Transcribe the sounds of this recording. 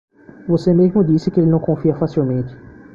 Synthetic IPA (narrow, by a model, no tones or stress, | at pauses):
vosemezmʊd̪isɪkɪelɪnɐ̃w̃kõfiɐfasiwmẽnt͡ʃɪ̥